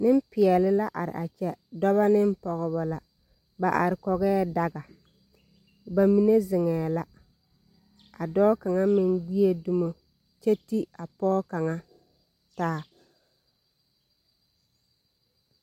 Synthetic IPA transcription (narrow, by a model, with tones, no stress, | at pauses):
nɪ˦m˦pɪ˨ɛ˨lɪ˦la˦ʔa̰˨ɾɪ̰˨ʔa˨t͡ʃɛ˦dɔ˦βa˦nɪ˦m˦pɔ˨ɣɪ˨ba˨la˨ | ba˨ʔa̰˨ɾɪ˨kɔ˨ɣɛː˦da˨ɡa˨ | ba˨mi˨ne˦zɪ˨ŋɛː˨la˨ | a˨dɔː˦ka˨ŋa˦mɪ˨ŋɡ͡bi˦e˦du˦mo˨ | t͡ʃe˦ti˦a˨pɔː˦ka˨ŋa˦ | taː˦